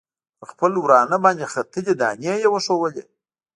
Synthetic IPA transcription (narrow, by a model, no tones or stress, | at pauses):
pəxpəlwɾɑnəbɑnd̪ʲexat̪iled̪ɑ̰nejewəʂowəle